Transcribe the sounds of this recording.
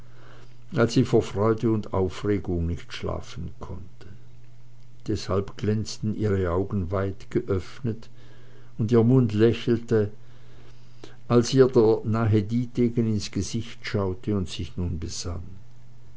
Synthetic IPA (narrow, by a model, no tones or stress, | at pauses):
alsz̥iːfoːɐfʁ̥ɔʏdəʊnda̰ʊfʁeːɡʊŋnɪçtʃla̰ːfn̩kʰɔ̰ntʰə | d̥ɛshalpɡ̥lɛnt͡stn̩iːʁəaʊɡn̩vaɪtɡ̥əʔœfnət | ʊndiːɐmʊndlɛçl̩tə | ʔalsiːɐdeːɐnaːɦədiːteːɡənɪnsɡ̥əzɪçtʃaʊtʰəʊntsɪçnuːnbəz̥a̰n